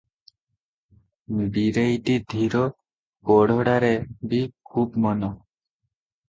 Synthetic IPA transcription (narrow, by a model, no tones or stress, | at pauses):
biɾejʈid̪ʱiɾo | koɽʱoɽaɾebikʰubmɔno